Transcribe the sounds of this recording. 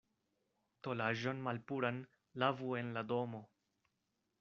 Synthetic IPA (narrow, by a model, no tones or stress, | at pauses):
to̞laʒo̞nmalpuɾan | lavue̞nladomo